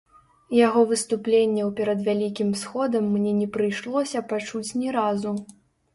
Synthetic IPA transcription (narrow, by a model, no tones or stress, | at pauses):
jaɣɔvɨst̪uplʲenʲːɛwpʲɛɾɐd̪vʲalʲikʲimsxɔd̪ɐmːnʲɛnʲɛpɾɨjʂlˠɔsʲɐpat͡ʂut͡sʲnʲɛɾazu